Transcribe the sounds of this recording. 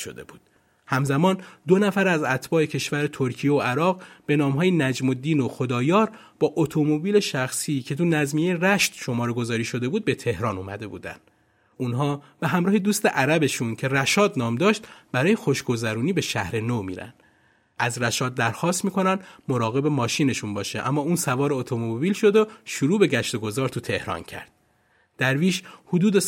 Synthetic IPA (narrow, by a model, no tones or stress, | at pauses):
ʃo̰d̪ḛbuːd̪̥ | hæmzæmɒːnd̪onæfæɾæzæt̪ʰb̥ɒːe̞cʰe̞ʃvæɾet̪ʰoɾcʰijeoʔæɾɒːɣʁb̥e̞nɒːmɦɒːjenæd͡ʒmo̞d̪iːnoxo̞d̪ɒːjɒːɾ | b̥ɒːʔot̪ʰo̞mobiːle̞ʃæxsiːcʰe̞t̪ʰunæzmijeeræʃt̪ʃo̞mɒːɾeɡo̞zɒːɾiːʃo̞d̪e̞buːd̪̚be̞t̪ʰe̞hɾɒːnṵːmæ̰d̪e̞bṵːd̪æ̰nd̪̥ | uːnɦɒːb̥eɦæmɾɒːhed̪uːst̪eʔæɾæbe̞ʃuncʰe̞ræʃɒːd̪nɒːmd̪ɒːʃt̪bæɾɒːje̞xo̞ʃɡo̞zæɾuːniːbe̞ʃæhɾe̞nomḭːɾæ̰nd̪̥ | ʔæzɾæʃɒːd̪̚ːæɾxɒːst̪miːkʰo̞nænd̪mo̞ɾɒːɣe̞be̞mɒːʃiːne̞ʃunbɒːʃeʔæmːɒːuːnsævɒːɾeot̪ʰomobiːlʃo̞d̪oʃuɾuːbe̞ɟæʃt̪o̞ɡo̞zɒːɾt̪ʰut̪ʰe̞hɾɒ̰ːncʰæ̰ɾd̪̥̚ | d̪̥æɾviːʃhod̪uːd̪e